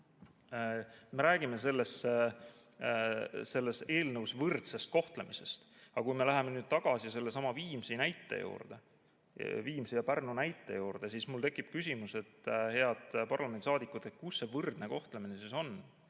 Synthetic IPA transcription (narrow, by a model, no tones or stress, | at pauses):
me̞ɾæːɡ̥ime̞se̞lːe̞s | se̞lːe̞se̞ːlnɤwsvɯrt̪se̞st̪̚ko̞ht̪le̞mise̞st̪ɑkujme̞læɦe̞menyːd̪̥̚t̪ɑɡ̥ɑsise̞lːesɑmɑviːmsinæjt̪ːˑḛjṵːrd̪̥e | viːmsijɑpærnunæjt̪ˑːe̞̰juːrd̪̥e̞sismult̪ekːˑip̚kys̬ʲimuse̞t̪ːhe̞ɑd̪̥pɑrlɑment̪i̥sɑːd̪ikːˑut̪et̪̚kusːe̞vɤrd̪̥ne̞ko̞ht̪leminesiso̞n